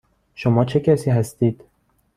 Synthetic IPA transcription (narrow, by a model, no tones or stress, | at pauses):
ʃomɒːt͡ʃʰekʲʰæsiːɦæst̪iːd̪̥